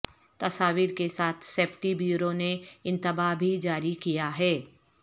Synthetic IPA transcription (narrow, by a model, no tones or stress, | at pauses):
t̪ɐsaːʋiːɾkesaːt̪ʰseːpʰʈibjuːɾoneɪ̃nt̪ɪbaːbʱid͡ʒaːɾikijaɦɛː